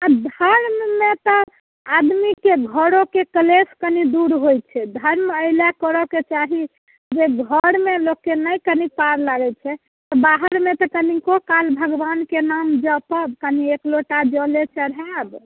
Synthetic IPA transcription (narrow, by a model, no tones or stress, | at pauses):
ad̪ʱəɾmːet̪ɔ | ad̪mikeɡʱəɾokekəleskənid̪uɾɦojt͡ʃʰɛd̪ʱəɾməɪljakəɾɔket͡ʃaɦi | d͡ʒeɡʱəɾmelokːenəjkənipaɾlaɡɛt͡ʃʰɛ | t̪ɔbaɦəɾmet̪ɔkənikokalbʱəɡbankenamd͡ʒəpəbkəniekloʈad͡ʒɔlet͡ʃʰɛɾɦɛb